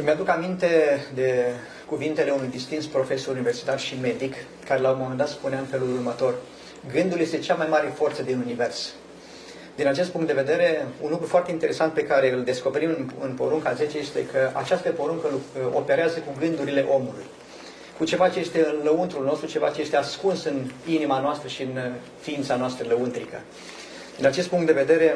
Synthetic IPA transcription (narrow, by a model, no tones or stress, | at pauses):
mead̪ukamint̪e̞d̪e̞ | kuvint̪e̞leunujd̪ist̪int̪spɾo̞fe̞soɾunive̞rsi̥t̪arʃime̞d̪ik | kːaɾe̞lawomo̞me̞nd̪at̪spuneaɨnfe̞lulurmət̪o̞r | ɡɨnd̪ulje̞st̪e̞t͡ʃamajmaɾe̞fo̞rt̪səd̪inunive̞rs | d̪inat͡ʃe̞st̪puŋkt̪d̪eve̞d̪e̞ɾe̞ṵnlukɾufoart̪eint̪eɾe̞sant̪̚pe̞kaɾe̞ɨld̪e̞sko̞pe̞ɾimɨnɨ̰npo̞̰ɾuŋkaze̞t͡ʃeje̞st̪e̞kʰəʔa̰t͡ʃast̪əpo̞ɾuŋkəluope̞ɾeazəkuɡɨnd̪uɾile̞ʔo̞mulṵj | kut͡ʃe̞vat͡ʃe̞je̞st̪e̞ɨnləunt̪ɾulno̞st̪ɾut͡ʃe̞vat͡ʃeje̞st̪e̞askunsɨninimanoast̪ɾəʃiɨn | fiint̪sanoast̪ɾələunt̪ɾḭkə̰ | d̪inat͡ʃe̞st̪puŋkt̪d̪e̞ve̞d̪e̞ɾe̞